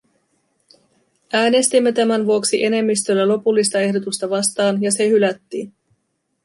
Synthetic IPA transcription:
ʔæːne̞st̪imːe̞t̪æmænʋuoksiʔe̞ne̞mːist̪ø̞lːælo̞pulːist̪ɑe̞hdo̞t̪ust̪ɑʋɑst̪ɑːnjɑse̞hylæt̪ːi

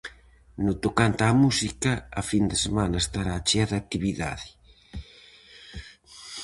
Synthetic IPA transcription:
nʊt̪okant̪amusikɐːfind̪esemanɐest̪aɾaːt͡ʃeaðak̚t̪iβiða̰ðɪ

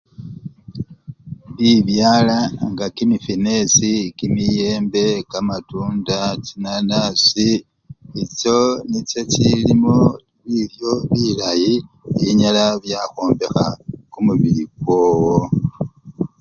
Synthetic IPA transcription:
βiβjaːlaŋɡakimifine̞sikimije̞ːmbe̞kamatuːndat͡ʃinanasi | it͡ʃo̞nit͡ʃe̞t͡ʃilimo | βiljo̞βilajiiɲalaβjaxoːmbe̞xa̰kumuβiɾiɡwo̞ːwo

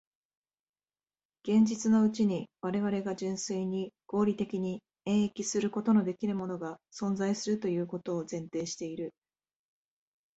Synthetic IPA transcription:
ɡ̥ẽ̞ɲ̟d͡ʑit͡sɨno̞ɯ̟t͡ɕiɲ̟iβaɾe̞β̞aɾe̞ɡad͡ʑɨ̃ɰ̃sɨiɲ̟iɡ̥o̞ːɾʲit̪e̞kʲiɲ̟i | ẽ̞ɰ̃ekʲisɨɾɯ̟ko̞t̪o̞no̞d̪e̞kʲiɾɯ̟mo̞no̞ɡasõ̞nd͡zaisɨɾɯ̟t̪o̞jɯ̟ːko̞t̪o̞ːzẽ̞nt̪e̞ːɕi̥t̪e̞iɾɯ̟

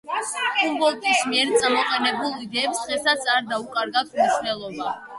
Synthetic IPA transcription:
kʼumbɔlˠt̪ʼismiɛɾt̪sʼamɔqʼɛnɛbulˠid̪ɛːpsd̪̥ʁɛsat̪sʰaɾd̪aukʼaɾɡat̪ʰmnisnɛlˠɔba

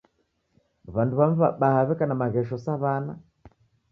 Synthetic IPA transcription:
βanduβam̩βa̰ɓahaβɛkanamaɣɛʃɔsaβana

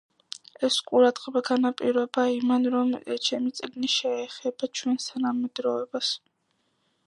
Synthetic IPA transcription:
ɛsqʼuɾad̪ʁʼɛbaɡanapʼiɾɔbaimanɾɔmt͡ʃʰɛmit̪sʼɡniʃɛːχɛbat͡ʃʰwɛnst̪ʰanamɛd̪ɾɔɛbas

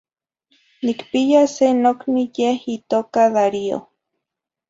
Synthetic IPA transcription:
nikpijasenoknijehit̪oːkaðaɾio̰

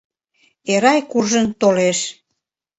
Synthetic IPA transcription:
eɾɑjkurʒənt̪oleʃ

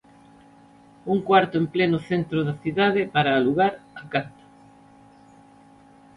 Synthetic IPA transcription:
uŋkwaɾt̪ʊemplenʊθent̪ɾoðɐθiðaðɪpaɾaːluɣaɾakant̪ḁ

